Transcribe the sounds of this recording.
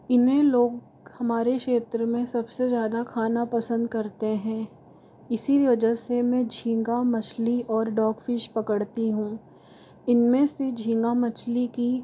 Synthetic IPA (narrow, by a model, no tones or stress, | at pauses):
ɪnɦẽloːɡ | hɐmaːɾekʃeːt̪ɾəmẽsɐbsezjaːd̪akʰaːnapɐsə̃nd̪kɐɾt̪eɦɛ̃ː | ɪsiʋɐd͡ʒəsemɛ̃d͡ʒʱĩːŋɡamɐt͡ʃʰliɔːɾɖɔːkfɪʃpɐkəɽt̪iɦũː | ɪnmẽsed͡ʒʱĩːŋɡamɐt͡ʃliki